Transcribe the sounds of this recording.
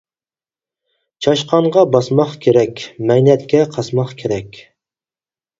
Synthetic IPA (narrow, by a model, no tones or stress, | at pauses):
t͡ʃʰɑʃqɑɴʁɑbɑsmɑχkʲʰeɾɛkʲmɛjnɛt̪̚kʲɛqʰɑsmɑχkʲʰeɾɛkʲ